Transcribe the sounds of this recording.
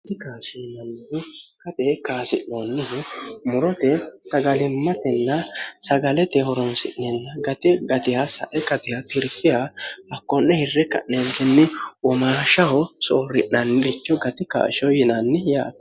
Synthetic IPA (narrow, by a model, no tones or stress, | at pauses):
d̪ɪkaːʃinɐnːɪkɐt̪ɛkaːsɪʔːonːɪɦmʊɾɔt̪ɛsɐɡɐlɪmːɐt̪ɛnːɐsɐɡɐlɛt̪ɛhɔɾɔnsɪ̰ʔːɛnːɐɡɐt̪ɪɡɐt̪ɪjasɐ̰ʔɛkɐt̪ɪjat̪ɪɾfɪjahɐkːɔnːɛhɪrːɛkɐ̰ʔnɛnt̪ɛnːɪwɔmaːʃɐhɔsoːɾɪʔːɐnːɪɾɪt͡ʃːɔɡɐt̪ɪka̰ːʃɔjɪnɐnːɪja̰ːt̪